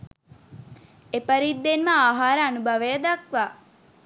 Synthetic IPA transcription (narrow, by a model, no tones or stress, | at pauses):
epəɾid̪ːenməaːɦaːɾəanubɐʋejəd̪akʋaː